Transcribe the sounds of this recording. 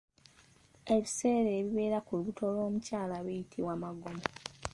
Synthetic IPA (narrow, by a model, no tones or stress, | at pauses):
e̞βise̞ːɾeːβiβe̞ːɾakuluβutʰo̞lo̞ːmucaːlaβijitʰiwaːmaɡo̞mo